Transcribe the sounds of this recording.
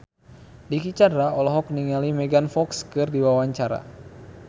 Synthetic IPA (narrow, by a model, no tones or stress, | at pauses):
dikit͡ʃadɾaɔlɔɦɔk̚niŋalimɛɡanfɔkskɨrdiwawaɲt͡ʃaɾa̰